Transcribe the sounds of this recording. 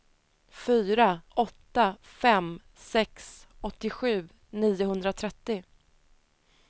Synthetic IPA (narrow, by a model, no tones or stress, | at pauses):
fyːɾaʔɔt̪ːafɛm | sɛksɔt̪ːɪɧʉ̟ː | niːʊɦɵnd̪ɾat̪ʰɾɛt̪ːɪ